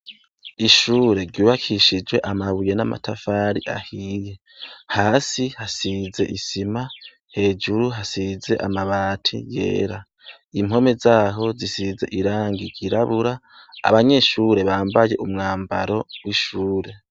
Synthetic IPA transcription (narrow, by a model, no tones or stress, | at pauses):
iʃuːɾe̞ɾɟuːβakʰiʃid͡ʒwe̞ʔamaβuje̞nama̰tʰafaːɾiʔa̰hiːje̞ | haːsihasize̞̰ʔisima | he̞ːd͡ʒuɾuɦasize̞̰ʔa̰maβaːtʰḭje̞̰ːɾa | im̥ɦo̞me̞zaːɦo̞zisize̞ʔiɾaːŋɡiɾɟiɾaβuɾa̰ː | βaɲe̞ʃuːɾe̞βaːmbaje̞ʔumŋaːmbaɾo̞wiʃuːɾe̞